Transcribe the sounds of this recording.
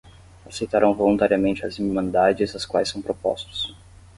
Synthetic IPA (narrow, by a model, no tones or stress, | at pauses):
asejt̪aɾɐ̃w̃volũnt̪aɾiɐmẽnt͡ʃɪɐzimɐ̃nd̪ad͡ʒɪzɐskwajsːɐ̃w̃pɾopɔ̰st̪ʊ̥s